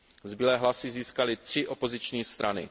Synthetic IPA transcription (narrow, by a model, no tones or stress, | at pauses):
zbɪlɛːɦlasɪziːskalɪt̪r̝̥ɪʔo̞po̞zɪt͡ʃɲiːst̪ɾanɪ̰